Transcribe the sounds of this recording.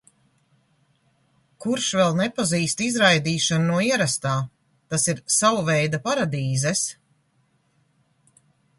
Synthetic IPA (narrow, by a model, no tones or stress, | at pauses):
kuɾʃvɛlˠnɛpaziːst̪izɾajd̪iːʃannuɔiɛɾast̪aː | t̪asiɾsawuvɛjd̪apaɾad̪iːzɛs